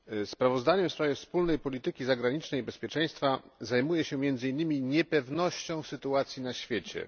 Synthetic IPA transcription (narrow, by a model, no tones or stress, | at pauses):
spɾavɔzd̪aɲɛmfspɾavʲjɛfspulnɛjpɔlʲit̪ɘkʲizaɡɾaɲit͡ʂnɛjibɛspʲjɛt͡ʂɛj̃st̪fazajmujɛɕɛmʲjɛnd̪zɘinːɘmʲiɲɛpɛvnɔɕt͡ɕɔ̃w̃sɘt̪uat̪sʲjinaɕfʲjet͡ɕɛ̰